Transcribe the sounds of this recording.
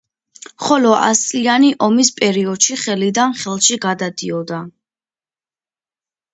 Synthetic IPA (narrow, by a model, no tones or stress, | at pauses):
χɔlɔʔa̰st̪sʼlianiʔɔmispʼɛɾiɔd̪̥ʃiχɛlid̪anχɛlˠʃiɡad̪ad̪iɔd̪a